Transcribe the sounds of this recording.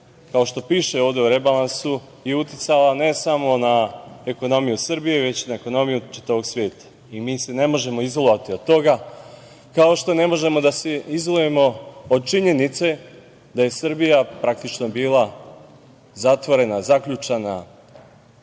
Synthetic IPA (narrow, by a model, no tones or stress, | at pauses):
kao̞ʃt̪o̞piːʃe̞oːʋd̪e̞uɾe̞balansu | jeut̪jit̪salane̞samo̞nae̞ko̞no̞mijusr̩bije̞ʋe̞t͡ɕinaeko̞no̞mijut͡ʃi̥t̪aʋo̞ɡsʋje̞ːt̪ḁ | imiːse̞ne̞mo̞ʒe̞mo̞izolˠoʋat̪iod̪̚t̪o̞ɡa | kao̞ʃt̪o̞ne̞mo̞ʒe̞mo̞d̪aseizolˠuje̞mo̞od̪̚t͡ʃiɲe̞nit̪se̞ | d̪aje̞sɨr̩bijapɾak̚t̪it͡ʃno̞biːlˠa | zat̪ʋo̞ɾe̞nazakʎut͡ʃana